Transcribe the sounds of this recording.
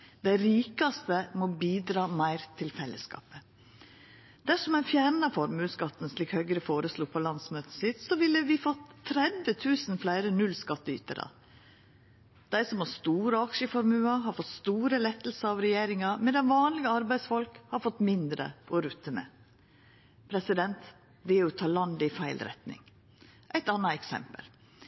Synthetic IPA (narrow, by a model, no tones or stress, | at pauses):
d̪̥æɪɾiːkɑst̪əmɔbiːd̪ɾɑːmæɪɾt̪ʰɪlfɛlːəskɑ̰ːpə | d̪̥æʂɔmæɪnfjæːɳɑfɔɾmʉːskɑt̪ːn̩sliːkhœʏɡəɾəfoːɾəsluːpʰɔlɑnsmœːt̪əsɪt̪sɔʋɪlːəʋɪfɔt̪ʰːɾɛd̪ʋət̪ʰʉːsn̩flæɪɾənʉlskɑt̪ːəy̰ːt̪ə̰ɾɑ̰ | d̪̥æɪsɔmhɑst̪uːɾəɑkʃəfɔɾmʉːɑɦɑɾfɔt̪st̪uːɾəlɛt̪ːəl̩səɑʋɾɛjeːɾɪŋɑmɛd̪ɛnʋɑːnlɪɡəɑɾbæɪsfɔlkhɑɾfɔt̪ːmɪnd̪ɾə̰ʔɔɾʉt̪ːəmɛ̰ | pʰɾɛsɪd̪ɛnt̪ | d̪ɛɔt̪ʰɑːlɑnd̪ɪfæɪlɾɛ̰t̪nɪ̰ŋ | ʔæɪt̪ɑnːɑɛksɛ̰mpə̰l